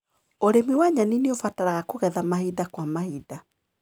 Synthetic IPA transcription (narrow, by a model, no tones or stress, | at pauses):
oɾemiwaɲanineofataɾaɣakoɣɛðamahidakwamahida